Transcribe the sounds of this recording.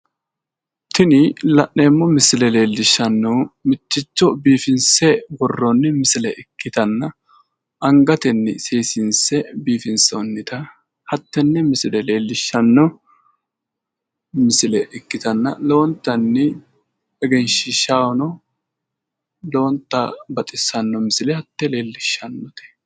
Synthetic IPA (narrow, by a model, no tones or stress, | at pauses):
t̪ɪnɪlɐʔːe̞ːmːɔmɪsɪlɛle̞ːlːɪʃːɐnːɔmɪt͡ʃːɪt͡ʃːɔbiːfɪnsɛbɔrːɔnːɪmɪsɪlɛʔɪkːɪt̪ɐnːɐ | ɐŋɡɐt̪ɛnːɪ̰seːsɪnsɛbiːfɪnsonːɪt̪ɐ | hɐt̪ːɛnːɛmɪsɪlɛle̞ːlːɪʃːɐnːɔ | mɪsɪlɛʔɪkːɪt̪ɐnːɐ̰loɔnt̪ːɐnːɪ | ɛɡɛnʃɪʃaːwɔnɔ | loɔnt̪ːɐbɐt̪ʼɪsːɐnːɔmɪsɪlɛhɐt̪ːɛle̞ːlːɪʃːɐnːɔt̪ɛ̥